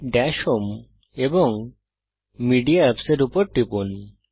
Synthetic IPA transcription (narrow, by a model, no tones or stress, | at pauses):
ɖɛʃom | eboŋ | miɖiaɛpseɾupoɾʈipuni